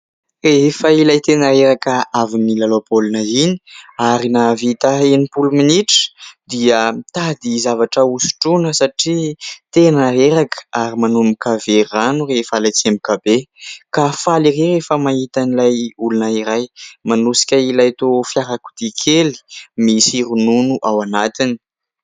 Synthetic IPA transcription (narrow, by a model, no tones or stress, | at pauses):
refəilajt̪enaɾeɾakəavinilalopolunaini̥aɾinavit̪aenipuluminiʈ͡ʂə̥d̪iəmt̪ad̪izavaʈ͡ʂəusu̥ʈ͡ʂunəsaʈ͡ʂit̪enaɦeɾakə̥aɾimanumbikaveranurefalat͡siembikabekafalirerefəmaɦit̪anilajulunaiɾajmanusi̥kʲəilajt̪ofjaɾaku̥d̪̥ikʰeli̥misiɾununuʔawanat̪ini̥